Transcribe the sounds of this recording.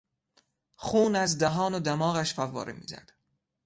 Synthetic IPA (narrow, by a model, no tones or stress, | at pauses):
χuːnæzd̪æɦɒːnod̪æmɒːɣæʃfævːɒ̰ːɾʔemḭːzæ̰d̪̥